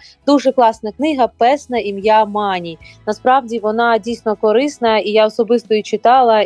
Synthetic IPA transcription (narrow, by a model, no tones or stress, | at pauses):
d̪uʒɛklˠɑsnɐknɪɦɐpɛsnɐimjamɑnʲijnɐspɾɑwdʲiʋɔnɑdʲijsʲnɔkɔɾɪsnɐijaɔsɔbɪst̪ɔit͡ʃɪt̪ɑlˠɐ